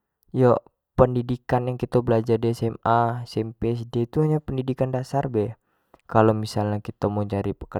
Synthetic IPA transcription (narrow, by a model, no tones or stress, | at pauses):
jo | pəndidikanjaŋkit̪abəlad͡ʒardesɛmasɛmpeɛsdet̪uɦaɲapəndidikandasarbɛh | kalomisalɲakit̪amod͡ʒaɾipəkə